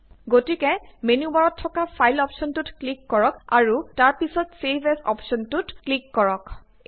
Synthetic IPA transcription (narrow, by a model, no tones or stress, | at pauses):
ɡotikɛmenubaɹɔtʰːɔkapʰajlɔpʃɔntutklikːɔɹɔka̰ɹutaɹpisɔtsebʱɛsɔ̰pʃɔntutklikːɔɹɔk